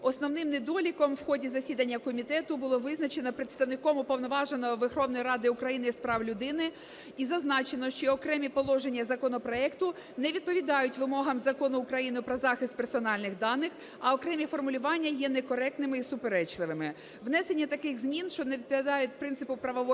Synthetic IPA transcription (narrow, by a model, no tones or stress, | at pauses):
ɔsnɔwnɪmned̪ɔlʲikɔmwxɔdʲizɐsʲid̪ɐnʲːɐkɔmʲit̪ɛt̪ʊbʊlˠɔʋɪznɐt͡ʃe̞nɔpɾet̪st̪ɐwnɪkɔmʊpɔwnɔʋɑʒenɔɔʋexɔwnɔjiɾɑd̪ɪʊkɾɐjinɪspɾɑwlʲʊd̪ɪnɪ | izɐznɑt͡ʃenɔʃt͡ʃɔːkɾɛmʲipɔlˠɔʒenʲːɐzɐkɔnɔpɾɔɛkt̪ʊ | nɛʋʲid̪̚pɔʋʲid̪ɑjʊtʲʋɪmɔɦɐmzɐkɔnʊːkɾɐjinʊpɾɔzɑxɪst̪̚persɔnɑlʲnɪxd̪ɑnːɪx | ɐɔkɾɛmʲifɔrmʊlʲʊʋɑnʲːɐjɛnɛkɔɾɛk̚t̪nɪmɪisʊpeɾɛt͡ʃlˠɪʋɪmɪ | ʋnɛsenʲːɐt̪ɐkɪxzmʲinʃt͡ʃɔneʋʲid̪̚pɔʋʲid̪ɑjʊt̚ʲpɾɪnt̪sɪpʊpɾɐʋɔʋɔ